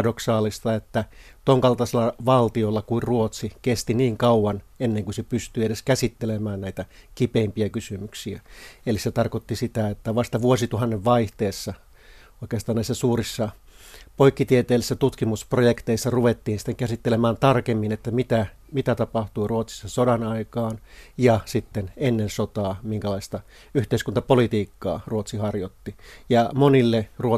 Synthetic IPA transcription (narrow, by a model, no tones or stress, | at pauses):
doksɑːlist̪ɑet̪ːæ | t̪oŋkɑlt̪ɑselːɑʋɑlt̪iolːɑkuirruot̪sikest̪iniːŋkɑuwɑnenːeŋkusepyst̪yːeɾeskæsit̪ːelemæːnnæit̪ækipeimpiækysymyksiæeliset̪ɑrkot̪ːisit̪æet̪ːæʋɑst̪ɑʋuosit̪uhɑnːeʋʋɑiht̪eːsːɑ | oikeːst̪ɑːnæisːæsuːrisːɑpoikːit̪iet̪eːlːisːæt̪ut̪kimusprojekt̪eisːɑruʋet̪ːiːnsi̥t̪eŋkæsit̪ːelemæːnt̪ɑrkemːinet̪ːæmit̪æ | mit̪æt̪ɑpɑht̪uiruot̪si̥sːɑsodɑnɑikɑːnjɑsit̪ːenenːensot̪ɑːmiŋkælɑist̪ɑ | yht̪eiskunt̪ɑpolit̪iːkːɑ̰ːruot̪sihɑrjot̪ːijɑmonilːeruo